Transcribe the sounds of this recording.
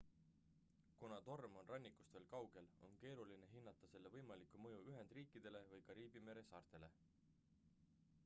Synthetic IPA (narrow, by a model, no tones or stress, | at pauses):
kunɑt̪o̞rmo̞nrɑnʲːikˑu̥st̪ve̞ːlkɑwɡ̥e̞lo̞̰nke̞ːɾuline̞ɦinːɑt̪ːˑɑse̞lːe̞vɤjmɑlikːˑumɤjuyɦe̞nd̪̥riːkːˑid̪̥e̞le̞vɯjkɑɾiːbime̞ɾe̞sɑːrt̪e̞le̞̰